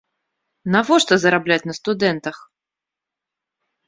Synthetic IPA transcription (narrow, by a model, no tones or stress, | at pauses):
navɔʂt̪ɔzɐɾablʲat͡sʲnɐst̪ud̪ɛnt̪ɐx